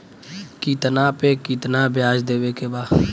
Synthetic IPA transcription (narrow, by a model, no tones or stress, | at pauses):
kiːt̪naːpeːkiːt̪naːbjaːd͡ʒd̪eːʋekebaː